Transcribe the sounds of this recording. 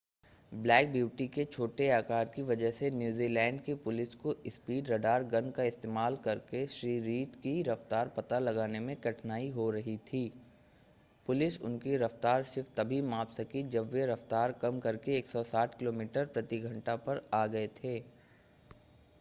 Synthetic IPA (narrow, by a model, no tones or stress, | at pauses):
blɛːk̚bjuːʈiket͡ʃʰoːʈeaːkaːɾkiʋɐd͡ʒəɦsenjuːziːlɛ̃ːɳɖkipʊlɪskoɪspiːɖɾɐɖaːɾɡɐ̃nkaɪst̪eːmaːlkɐɾkeʃɾiːɾiːʈkiɾɐft̪aːɾpɐt̪alɐɡaːnemẽkɐʈʰnaːiɦoɾɐɦit̪ʰiː | pʊlɪsʊ̰nkiɾɐft̪aːɾʃɪft̪ɐbʱimaːpsɐkid͡ʒɐbːeɾɐft̪aːɾkɐmkɐɾkeeːksɔsaːʈʰkɪloːmiːʈəɾpɾɐt̪iɡʱɐ̃ɳʈapɐɾaːɡɐet̪ʰeː